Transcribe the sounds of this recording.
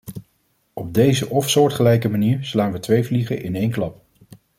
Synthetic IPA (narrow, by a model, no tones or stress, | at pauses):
ɔb̚dejzəʔɔfsʊːɹtχəlɛjkəmaniːɹslaːnʋətʋejvliχə̰ʔɪnejnklɑp̚